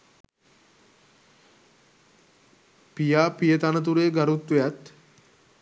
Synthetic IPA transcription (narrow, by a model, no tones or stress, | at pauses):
pijaːpijət̪anət̪̬uɾeːɡaɾut̪ʋejat̪